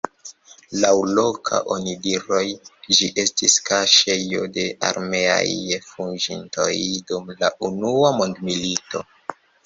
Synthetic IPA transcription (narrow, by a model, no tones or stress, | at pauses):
lawlo̞kʰa̰ʔo̞nidiɾo̞jd͡ʒiʔe̞stiskaʃe̞jo̞̰de̞ʔa̰ɾme̞a̰jfunʒinto̞̰jdumlaʔunuamo̞ndmilito̞